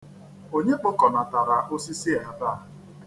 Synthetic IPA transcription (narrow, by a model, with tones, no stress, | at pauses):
o˦ɲe˦k͡pʊ˦kɔ˨na˨ta˨ɾa˨ʔo˦si˦si˦˨a˨da˦˨ɦ